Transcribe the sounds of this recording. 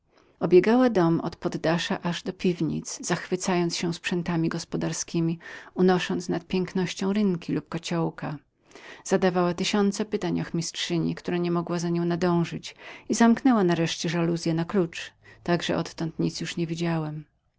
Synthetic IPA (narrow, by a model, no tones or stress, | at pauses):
ɔbʲjɛɡawad̪ɔmɔ̰t̪pɔd̪ːaʂaʔaʐd̪ɔpʲivɲḭt̪zz̥axfɘt̪sajɔnt̪sɕɛw̃spʂɛnt̪amʲiɡɔspɔd̪aɾskʲimʲiunɔʂɔnt̪snat̪̚pʲjɛŋknɔɕt͡ɕɔ̃w̃ɾɘŋkʲilup̚kɔt͡ɕɔwka | z̥ad̪avawat̪ɘɕɔnt̪sɛpɘt̪aɲɔxmʲistʂɘɲḭkt̪uɾaɲɛmɔɡwazaɲɔ̃w̃nad̪ɔ̃w̃ʐɘt͡ɕizamknɛwanaɾɛʂt͡ɕɛʐaluzʲjɛnaklut͡ʂt̪aɡʐɛ̰ʔɔt̪ːɔnt̪ɲit̪sʲjuʂɲɛvʲid͡ʑawɛm